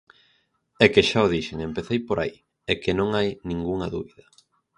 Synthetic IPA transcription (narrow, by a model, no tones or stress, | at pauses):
ɛkeʃaoðiʃeŋempeθejpoɾʔai | ekenõŋajnĩŋɡuŋɐðuβiðɐ